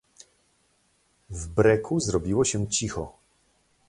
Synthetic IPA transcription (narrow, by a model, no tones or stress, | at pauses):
vbɾɛkʰuzɾɔbʲiwɔɕɛt͡ɕixɔ